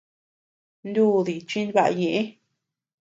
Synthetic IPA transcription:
nd̪u˦˧˨ði˨t͡ʃĩ˧nβa˧ʔa̰˧ɲẽ˨ʔẽ˦

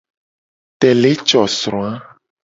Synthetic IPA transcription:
t̪ɛ˨le˦t͡ʃɔ˨sɾɔ̃˨a˦

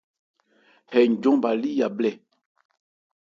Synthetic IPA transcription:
hɛ˨ɲ̩˨ɟɔ̃˦ba˨li˦ja˨blɛ˦˨

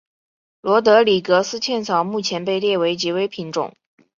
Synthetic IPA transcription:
lwɔ˧˥t̪̬ɤ˧˥li˨˩kɤ˧˥sɹ̩˥t͡ɕʰjɛ˥˩nt͡sʰɑ˨˩ʊmu˥˩t͡ɕʰjɛ˧˥npe˥˧ɪljɛ˥˩we˧˥ɪt͡ɕi˧˥we˥ɪpʰi˧˥nʈ͡ʂʊ̰˨˩˦ŋ

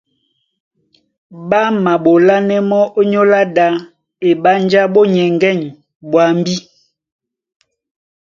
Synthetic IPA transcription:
ba˦ma˨ɓo˨la˦nɛ˦mɔ˦ʔo˦ɲo˦la˦da˦ | e˨ɓa˦n˦d͡ʒa˦ɓo˦ɲɛ˨ŋɡɛ˦˨ɲ | bwa˨m˦bi˦

